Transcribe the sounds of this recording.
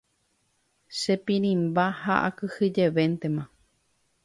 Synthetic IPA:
ʃepĩɾ̃ĩmbahaʔa̰kɨhɨd͡ʒeʋent̪emã

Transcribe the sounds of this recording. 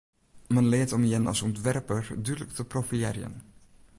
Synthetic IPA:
mɛnlɪətɔmjɛnɑ̰sɔntʋɛrpəɹdydlək̚təprofiɛɾjə̰n

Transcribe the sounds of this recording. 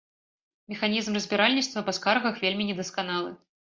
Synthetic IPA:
mʲɛxanʲizmrɐzʲbʲiɾalʲnʲitst̪vnɐpaskarɣɐxvʲelʲmʲinʲɛd̪ɐskanalˠɨ

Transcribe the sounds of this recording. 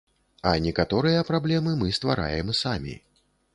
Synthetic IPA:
ɐnʲɛkat̪ɔɾɨjɐpɾablʲɛmɨmɨst̪va̰ɾa̰jɛmsamʲḭ

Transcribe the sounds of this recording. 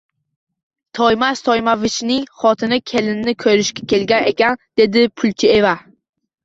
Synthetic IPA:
t̪ʰɒjmast̪ʰɒjmavɪt͡ʃnɪŋχɒt̪ʰɪnɪkʲʰe̞lɪnnɪkʰɵɾɪʃkʲḁkʲʰe̞lɡʲane̞̰kʲand̪̥e̞d̪ɪpʰʊlt͡ʃʰɪe̞va

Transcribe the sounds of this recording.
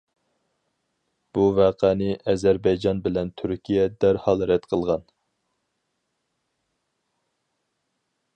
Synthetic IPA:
b̥uvæːqʰænɨʔɛzæɾbɑjd͡ʒɑnbɪlɛnt̪ʰyɾkʲijɛd̪æɾhɑlˠɾɛt̪qʰəlˠʁɑn

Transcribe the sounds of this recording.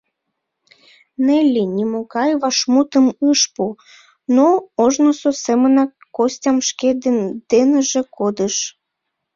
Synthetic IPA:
nelʲinʲimokɑjβɑʃmut̪əmɨʃpu | nooʒnososemənɑ | kːosʲtʲɑmʃked̪d̪̥enəʒekod̪əʃ

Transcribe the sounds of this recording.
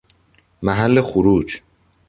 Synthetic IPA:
mæɦælːexuɾuːd͡ʒ

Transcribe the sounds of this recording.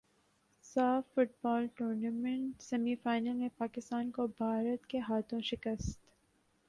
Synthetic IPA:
saːfːʊʈ̚bɔːlʈuːɾnamə̃ɳʈsɐmifaːɪnəlmepaːkɪst̪aːnkobʱaːɾət̪keɦaːt̪ʰõʃɪkəst̪

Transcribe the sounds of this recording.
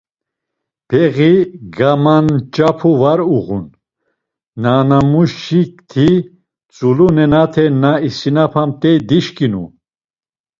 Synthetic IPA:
pʰɛɣiɡamant͡ʃʼapʰuvaɾuʁunː | anamuʃikt̪ʰi | t͡sʼulunɛnat̪ʰɛnaisinapʰamt̪ʼɛd̪iʃkʼinṵ

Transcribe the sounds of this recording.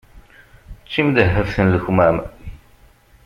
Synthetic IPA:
t͡st͡ʃːimd̪əɦːəfθənləçmæm

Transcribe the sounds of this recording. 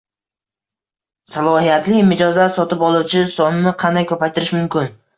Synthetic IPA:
salˠɒhijat̪lɪmɪd͡ʒɒzasɒt̪ɪpɒlˠuwt͡ʃʰɪsɒnɪnɪqʰɑnd̪ajkʲʰɵpajt̪ʰɪɾɪʃmʊmkʲɪn

